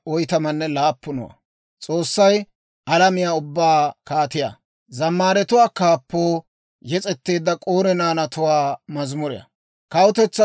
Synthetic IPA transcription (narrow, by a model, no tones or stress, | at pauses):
ʔɔjt̪ɐmɐnːɛlaːpːʊnɔ̰wɐ̰ | t͡sʼo̞ːsːɐj | ʔɐlɐmɪjaːʊbːaːkaːt̪ɪja̰ː | zɐmːaːɾɛt̪ʊwaːkaːpːoː | jɛt͡sʼɛt̪ːe̞ːd̪ːɐkʼoːɾɛnaːnɐt̪ʊwaːmɐzmʊɾɪ̰jɐ̰ | kɐwʊt̪ɛt͡sːɐ